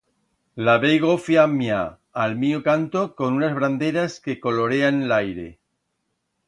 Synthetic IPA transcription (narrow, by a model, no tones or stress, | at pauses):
laβejɣofjamjaː | lmiokant̪oko̞nunazβɾand̪eɾaske̞ko̞loɾe̞anlajɾe̞̰